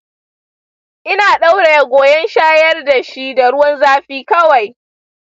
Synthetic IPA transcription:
ʔɪ˦naː˨ɗa˦wɽe˨ja˦ɡʷoː˨jɐ˦nʃaː˦jɐ˦rda˨ʃi˦da˨ɽʊ˦wɐ˦nzaː˦ɸiː˦kɐ˦wa˨j

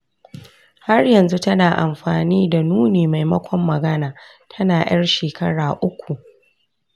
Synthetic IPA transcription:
ha˦rjɐ˨nzu˦tɐ˦naː˨ʔa˨mɸaː˨niː˦da˨nuː˦neː˨ma˨jmɐ˦kʷɔ˨mːɐ˨ɡɐ˦naː˨ | tʰɐ˦naː˨j̰ɐ˦rʃeː˨kɐ˦ɽaː˨ʔʊ˦kʷu˨ʔ

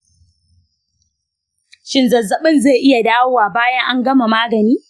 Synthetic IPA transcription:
ʃɪ˨nzɐ˨zɐ˨ɓɪ˦nza˦˨jʔɪ˦ja˨daː˦wo˦waː˨baː˦jɐ˦ŋʔa˦ŋɡɐ˦ma˨maː˦ɡɐ˨niː˦

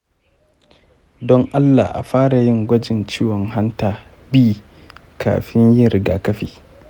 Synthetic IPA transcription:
dɔ˦ŋʔa˦lːa̰˨ʔa̰˨ɸaː˦ɽa˨jɪ˦ŋɡʷɐ˦d͡ʒɪ˨nt͡ʃiː˦wɔ˨ŋɦa˦ntaː˨ | biː˦ | kʰa̰ː˨ɸɪ˦ɲjɪ˦ɾɪ˨ɡaː˨kɐ˦ɸiː˨

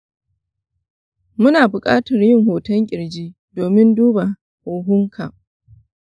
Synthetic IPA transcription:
mʊ˦naː˨bʊ˨kʼa̰ː˦tɐ˨rjɪ˦ŋɦoː˨tɐ˦ŋkʲʼɪ˨ɽd͡ʒiː˦ | doː˨mɪ˦nduː˦ba˨ | hoː˨ɦʊ˦ŋkʰa̰˨ʔ

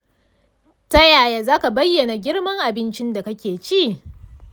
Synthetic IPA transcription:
tɐ˦jaː˨jaː˨zaː˦ka˨bɐ˦jːɐ˨na˨ɡʲɪ˦ɽmɐ˦ŋʔa˨bɪ˦nt͡ʃɪ˦nda˨kɐ˦kʲeː˨t͡ʃiː˦˨

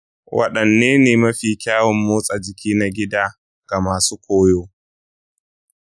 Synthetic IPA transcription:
wʔɐ̰˨ɗɐ˨nːeː˦neː˨mɐ˦ɸiː˨kʲaː˦wɔ˨mːoː˦sʼa˨d͡ʒɪ˨kʲiː˦na˨ɡʲɪ˦daː˦ | ɡ̥a˨maː˨suː˦kʷoː˦joː˦

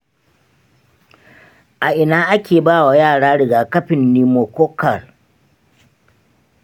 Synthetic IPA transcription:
ʔa˨ʔɪ˨naː˦ʔa˦kʲeː˨baː˦˨wa˨jaː˦˨ɽaː˦ɽɪ˨ɡaː˨kɐ˦ɸɪ˨nːiː˦mo˨koː˦kɐ˨r

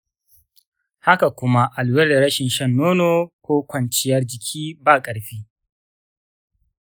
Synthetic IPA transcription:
ha˦ka˨kʷʊ˦ma˦ʔa˨lu˨˦jrda˨ɾɐ˦ʃɪ˨nʃɐ˦nːoː˦noː˨kʷoː˦kʷɐ˨nt͡ʃɪ˦jɐ˦rd͡ʒɪ˨kʲʰiː˦baː˦˨kʼɐ˨ɽɸiː˦

